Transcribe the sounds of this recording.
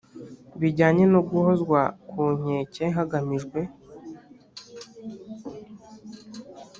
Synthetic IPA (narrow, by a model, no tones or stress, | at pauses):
βiɟaːɲe̞noɡuhozɡwakuɲ̥e̞ːceɦaɡamiʒɡwe̞